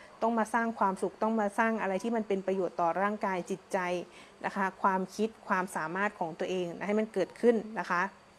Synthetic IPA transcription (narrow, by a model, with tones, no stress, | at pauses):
t̪ɔ˥˩ŋmaː˧saː˥˩ŋkʰwaː˧msu˨˩k̚t̪ɔ˥˩ŋmaː˧saː˥˩ŋʔa˧ɾa˧jt̪ʰiː˥˩ma˧npe˧npɾa˧joː˨˩t̪ːɔː˨˩ɾaː˥˩ŋkaː˧jt͡ɕi˨˩t̪̚t͡ɕa˧j | nʔa˦˥kʰa˦˥kʰwaː˧mkʰi˦˥t̪̚kʰwaː˧msaː˩˦maː˥˩t̪̚kʰɔː˩˦ŋt̪u˧ɐʔeː˧ŋ˦ha˥˩jma˧nkɤː˨˩t̪̚kʰɯ˥˩nːa˦˥kʰa˦˥ʔ